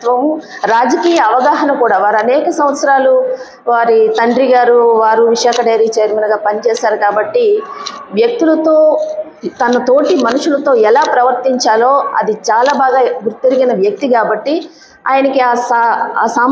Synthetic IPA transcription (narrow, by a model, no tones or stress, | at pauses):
t̪ʋɐmɾaːd͡ʒɐkiːjɐːʋɐɡaːɦɐnɐkuːɽaːʋaːɾɐnɛːkɐsɐ̃mʋɐt̪sɐɾaːlu | ʋaːɾit̪ɐɳɖɾiɡaːɾuʋaːɾuʋiʂaːkɐɖɐjɾiːt͡ʃeːɾminɐɡaːpɐnit͡ʃɛːsaːɾukaːbɐʈːiʋjɐk̚t̪ulɐt̪o̞ː | t̪ɐnɐt̪o̞ːʈimɐnuʂulɐt̪o̞ːɛlaːpɾɐʋɐɾt̪iɲt͡ʃaːlo̞ːɐ̰d̪it͡ʃaːlaːbaːɡaːɡuɾt̪ːeɾiɡinɐʋjɐk̚t̪ikaːbɐʈːi | aːjɐnɐkiasaːsaː